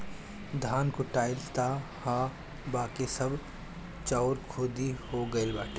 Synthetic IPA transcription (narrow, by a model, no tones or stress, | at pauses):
d̪ʱaːnkoʈaːɪlt̪ahã | baːkesɐb | t͡ʃaːɾkʰoːd̪ihoɡɐelbaːʈʰe